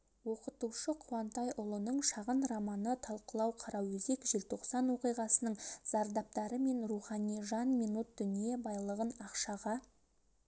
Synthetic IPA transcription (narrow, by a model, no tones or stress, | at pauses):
wo̞qət̪uʃəqʰuwɑnt̪ɑjʔʊlˠənəɴʃɑʁənrɑmɑnət̪ʰɑlˠqəlˠɑwqʰɑɾɑwɵze̞kʒɪlt̪ʰo̞qsɑnwo̞qijʁɑsənəɴz̥ɑɾd̪ɑp̚t̪ɑɾəme̞nruχɑnijʒɑnmijnut̪̚d̪̥ʏnije̞bɑjlˠəʁənɑqʃɑʁɑ